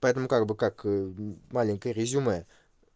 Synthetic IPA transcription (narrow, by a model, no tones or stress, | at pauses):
pat̪əmkakbɨkakmalʲĩŋkɨɾezume